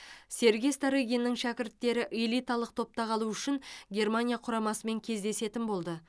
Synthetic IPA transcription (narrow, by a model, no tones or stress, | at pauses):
se̞ɾɡʲejst̪aɾiɡʲijnːɪŋʃækʲɪɾt̪ːe̞ɾɪʔelˠijt̪ɑlˠəq̚t̪ʰo̞p̚t̪ɑqʰɑlˠuʏʃɪŋɡʲe̞rmanʲijaqʰʊɾɑmɑsəme̞ŋkʲʰe̞zd̪e̞se̞t̪ɪnbo̞lˠd̪ə